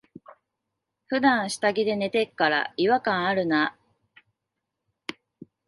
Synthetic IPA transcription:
ɸɯ̟d̪ãɰ̃ɕi̥t̪aɡʲid̪e̞ne̞t̪e̞kːaɾa̰iβakãɰ̃aɾɯ̟na

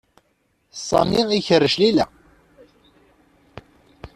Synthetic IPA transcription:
sˤːɑ̰miiçərːəʃlilæ

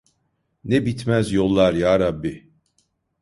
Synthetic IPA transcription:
nɛbit̪ʰmæzjo̞lˠːaɾjaːɾabːi

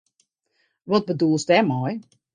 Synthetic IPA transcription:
ʋɔt̚bədulˠsdɛmɔj

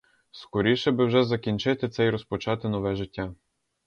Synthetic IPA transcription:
skɔɾʲiʃɛbɪwʒɛzɐkʲinʲt͡ʃɪt̪ɪt̪sɛjɾɔspɔt͡ʃɑt̪ɪnɔʋɛʒɪtʲːa

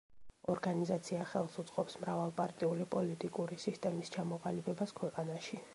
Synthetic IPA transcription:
ɔɾɡanizat̪sʰiaχɛlˠsut̪sʼqʼɔpsmɾavalˠpʼaɾt̪ʼiulipʼɔlit̪ʼikʼuɾisist̪ʼɛmist͡ʃʰamɔqʼalibɛbaskʰwɛqʼanaʃi

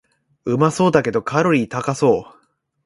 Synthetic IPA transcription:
ɯ̟maso̞ːd̪ake̞d̪o̞kʰaɾo̞ɾʲit̪akaso̞ː

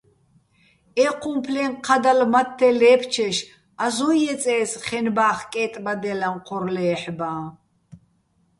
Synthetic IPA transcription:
ɛqʰumpʰlɛnqʰad̪almat̪ʰːɛlɛːpʰt͡ʃʰɛʃ | azɔjɛt͡sʼɛːsχɛnbaːχkʼɛːt̪ʼbad̪ɛlanqʰɔɾlɛːħbaː

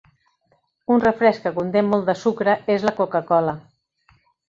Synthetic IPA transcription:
unrəfɾɛskəkunt̪emːolˠd̪əsukɾəezləkukəkɔlə

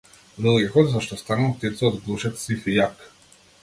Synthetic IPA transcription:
vɛlˠjakɔt̪zaʃt̪ɔst̪anult̪ɛt̪sɛɔd̪ɡlˠuʃɛt̪sifijak

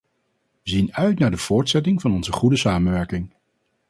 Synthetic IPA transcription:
ʋəzinœɥtnaːɹdəv̥ʊːɹtsɛtɪŋvɑnɔnzəχudəsaːmənʋɛɹkɪŋ

